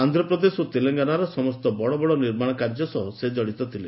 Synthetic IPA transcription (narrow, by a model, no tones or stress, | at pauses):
and̪ʱɾɔpɾɔd̪esot̪eleŋɡanaɾɔsɔmɔst̪ɔbɔɽɔbɔɽɔniɾmaɽ̃ɔkaɾd͡ʒɔsɔɦɔsed͡ʒɔɽit̪ɔt̪ʰile